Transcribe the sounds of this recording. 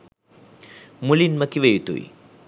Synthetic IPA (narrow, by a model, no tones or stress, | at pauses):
mulinmɐkːiʋejut̪ːṵḭ